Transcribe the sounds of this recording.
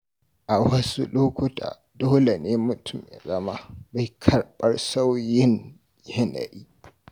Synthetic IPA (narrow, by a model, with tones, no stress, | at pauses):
ʔa˨wɐ˦sṵ˦loː˦kʊ˦tʰa̰ː˨ | doː˦lɛ˨ne˦mʊ˦tʰʊ˨mɛ̰˨zɐ˦ma˦ba˨jkʰɐ˨ɾɓɐ˦ɾsa˦wjɪ˦n | jɪ˦na̰˨ʔi˦